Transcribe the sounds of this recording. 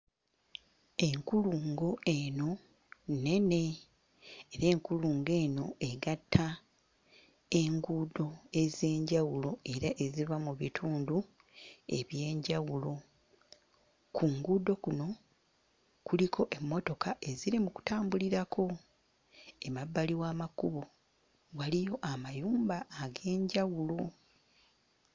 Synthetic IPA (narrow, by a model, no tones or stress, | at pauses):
e̞ŋkuluːŋɡo̞ʔe̞no̞ | ne̞ne̞ | eɾe̞ːŋkuluːŋɡe̞ːno̞ʔe̞ɡatʰːa | e̞ŋɡuːdo̞e̞ze̞ːɲɟawulo̞e̞ɾaʔe̞zivamuβitʰuːndu | e̞̰βje̞ːɲɟawulo̞ | kʰuŋɡudo̞kuno̞ | kulikʰo̞ʔe̞mːo̞to̞kaʔe̞ziɾimuku̥taːmbuliɾakʰo̞ | e̞mabːaliwaːmakuβo̞ | walijo̞ʔamajuːmbaːɡe̞ːɲɟawulo